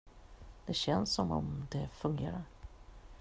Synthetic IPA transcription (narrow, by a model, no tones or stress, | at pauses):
d̪̥ɛɕɛnsːɔmɔ̰md̪ɛfɵŋɡeːɾaɾ